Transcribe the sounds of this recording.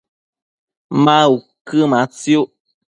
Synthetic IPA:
mau | kɨmat͡sju

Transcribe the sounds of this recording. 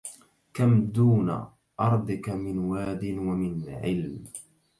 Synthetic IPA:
kamd̪uːna̰ | ʔɑɾˤd̪ˤɪkamɪnwaːd̪ɪnwamɪnʕɪlm

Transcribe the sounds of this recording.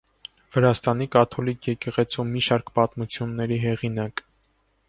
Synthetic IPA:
v̥əɾɑst̪ɑnikɑt̪ʰɔlikʰjɛkɛʁɛt͡sʰumːiʃɑɾkpɑt̪mut͡sʰjunːɛɾiɦɛʁinɑk

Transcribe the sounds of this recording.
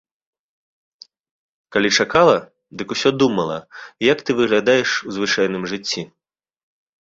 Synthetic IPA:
kalʲit͡ʂakalˠɐ | d̪ɨkusʲɔd̪umɐlˠɐ̰jɐkt̪ɨvɨɣlʲad̪ajɛʂuzvɨt͡ʂajnɨmʐɨt͡sʲːi

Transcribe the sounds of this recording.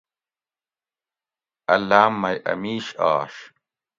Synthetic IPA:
ɐlːaːmːɐjʔɐ̰miːɕa̰ːʂ

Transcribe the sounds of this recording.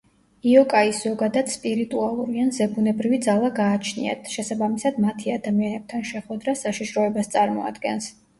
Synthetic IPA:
iɔkʼaisz̥ɔɡad̪ad̪spʼiɾit̪ʼualˠuɾianzɛbunɛbɾivid̪zalˠaɡaːt͡ʃʰnḭa̰t̪ʰʃɛsabamisad̪mat̪ʰiad̪amianɛb̚t̪ʰanʃɛχwɛd̪ɾasaʃiʃɾɔɛbast̪sʼaɾmɔ̰a̰d̪ɡɛns

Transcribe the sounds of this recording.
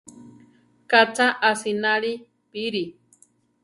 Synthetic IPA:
kat͡saʔasinaɾi | piɾi

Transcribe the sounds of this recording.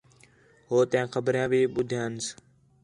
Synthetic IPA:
ɦoːt̪ɪjãːxəbəɾjãːbiːɓʊd̪ʱjãːns

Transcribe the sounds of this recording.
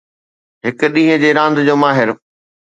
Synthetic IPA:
ɦɪk̆ɗĩːɦə̃d͡ʑeːɾãːnd̪d͡ʑoːmaːɦɪɾ

